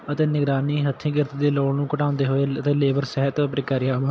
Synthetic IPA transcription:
ət̪eːnɪɡɾaːniːɦət̪ʰːĩːɡɪɾt̪iːd̪eːloːɽnũːkəʈãːʊ̃nd̪eːɦoːeːət̪eːleːbəɾsɛɦət̪pɾɪkaːɾɪjaːɦo

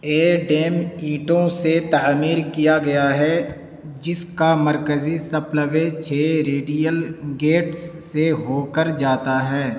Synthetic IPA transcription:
eːɖeːmiːʈõset̪aːmiːɾkijaɡɐjaɦɛ | d͡ʒɪskamɐɾkəzisəpləʋet͡ʃʰeːɾeːɖijəlɡeːʈsːeɦoːkəɾd͡ʒaːt̪aɦɛː

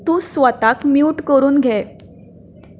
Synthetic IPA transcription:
t̪ũːsʋət̪akmjuuːʈkəɾuːnɡʱɛ

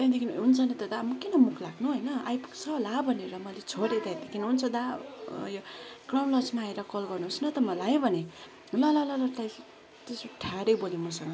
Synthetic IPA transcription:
d̪ãd̪ekinɦunt͡sʰʌnet̪ʌd̪amʌkinʌmukʰlaɡnuɦojnʌajpu̥kt͡sʰʌlabʱʌneɾʌmʌlet͡sʰoɾed̪ajd̪ekʰinɦunt͡sʰʌd̪ajokrawnlʌt͡smaːeɾʌkʌlɡʌrnuɦosnʌt̪ʌmʌlajbʱʌne | lʌlʌlʌlʌt̪aj | t̪esoʈʰaɽʌjbolimʌsʌŋɡʌ

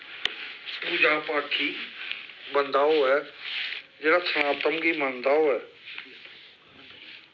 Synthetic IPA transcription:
puːd͡ʑaːpaːʈʰi | bɐ̃nd̪aːoɦɛː | d͡ʑenat͡ɕʰɐɽ̃ãt̪ɐmɡimãːnd̪aːoɦɛː

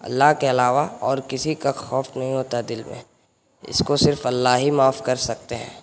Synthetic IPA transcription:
ɐ̰lːaɦkeɐlaːʋaɔːɾkɪsikaxɔːfnɐɦĩɦoːt̪ad̪ɪlmḛ̃ | ɪ̰skosɪɾfɐlːaːɦimaːfkɐɾsɐk̚t̪eɦɛ̃ː

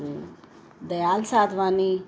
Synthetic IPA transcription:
ɾu | d̪əjalsad̪ʋani

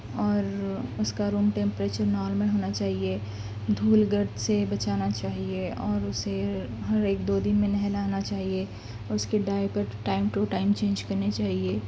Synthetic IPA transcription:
ɔːɾʊskaɾuːmʈẽmpɾeːt͡ʃəɾnɔːlmə̃ɦoːnat͡ʃaːɦie | d̪ʱuːlɡəɾt̪sebɐt͡ʃaːnat͡ʃaːɦieɔːɾʊse | ɦɐɾeːk̚d̪oːd̪ɪnmẽnɐɦɛ̃laːnat͡ʃaːɦie | ʊskeɖaːɪpəɾʈaːɪmʈoʈaːɪmt͡ʃẽːnd͡ʒkɐɾnet͡ʃaːɦieː

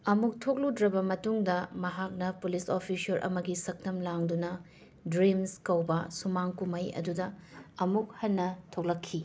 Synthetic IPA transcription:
ɐmuk̚tʰok̚ludɾɐbɐmɐtuŋdɐmɐɦak̚nɐpulisopʰisɐɾʔɐ̰mɐɡisɐk̚nɐmlaŋdunɐ | dɾimskɐwbɐsumaŋkumɐjɐ̰dudɐɐmuk̚hɐnːɐtʰok̚lɐkʰːi

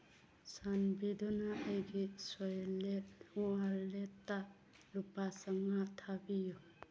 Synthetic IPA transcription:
sanbid̪ɔnaʔejɡisɔjleuaɾleta | lupasaŋat̪ʰabijɔ

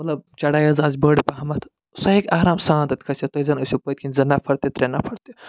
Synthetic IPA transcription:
mɐt̪lɐb̚t͡ʃɐɽaːjɐzaːzʲbəɽipɐɦɐmɐt̪ʰ | sɐɦikaːɾaːmsãːnd̪ɐt̪ʲkʰɐsʲet̪ozɐnɐsʲupɐt̪̚ʲkʰinʲzɐnɐpʰɐɾt̪it̪ɾenɐpʰɐɾt̪i

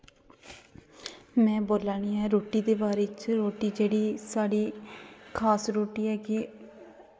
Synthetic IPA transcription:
mɛ̃ːboːlaːɳ̃iːɛːɾoːʈiːd̪eːbaːɾeːt͡ʃɾoːʈiːd͡ʒeːɽiːsaːɽiːkʰaːsɾoːʈiːɛːɡi

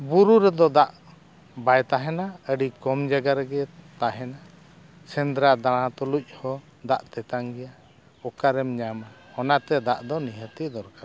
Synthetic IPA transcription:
buɾuɾɛd̪ɔd̪aʔ | bajt̪aɦɛnaəɖikɔmd͡ʒaɡaɾəɡɛt̪aɦɛna | sɛnd̪ɾad̪aɽ̃ãt̪ɔluc̚ˀhɔ | d̪aʔt̪ɛt̪aŋɡɛja | ɔkaɾɛmɲamhɔnat̪ɛd̪aʔd̪ɔniɦət̪id̪ɔɾkaɾ

